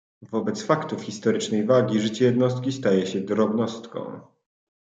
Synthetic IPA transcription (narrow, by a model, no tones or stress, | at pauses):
vɔbɛt̪sfakt̪ufxʲist̪ɔɾɘt͡ʂnɛjvaɡʲiʐɘt͡ɕɛjɛd̪nɔst̪kʲist̪ajɛɕɛd̪ɾɔbnɔst̪kɔ̰̃w̃